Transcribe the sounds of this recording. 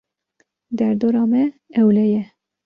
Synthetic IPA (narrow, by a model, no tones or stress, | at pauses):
d̪ɛɾd̪oːɾɑːmɛɛwlɛjɛ